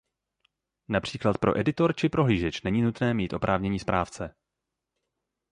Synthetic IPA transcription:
napr̝̥iːklat̪̚pɾo̞̰ʔɛdɪt̪o̞ɾt͡ʃɪpɾo̞ɦliːʒɛt͡ʃnɛɲiːnut̪nɛːmiːt̪ʔo̞pɾʔaːvɲɛɲiːspɾaːft͡sɛ

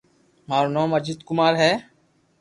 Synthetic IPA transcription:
maːɾoːnoːməd͡ʒɪd̪kʊmaːɾɦɛː

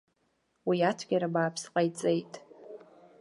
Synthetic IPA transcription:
wiatʷʰɡʲaɾabaːpʰsqʼajt͡sʼe̞jtʼ

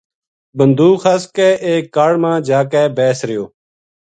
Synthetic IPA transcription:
bənd̪ʱuːxʰəskɛːʔeːkːaːɽmãːd͡ʒaːkɛːbɛːsɾɪjoː

